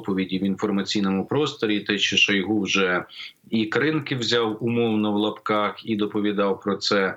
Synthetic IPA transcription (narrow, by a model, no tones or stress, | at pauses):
pɔʋʲidʲiwinfɔrmɐt͡sʲijnɔmʊpɾɔst̪ɔɾʲit̪ɛt͡ʃɪʃɐjɦuwʒɛ | ikɾɪnkɪwzʲɑwʊmɔwnɐwlˠɐpkɑxid̪ɔpɔʋʲid̪ɑwpɾɔt̪sɛ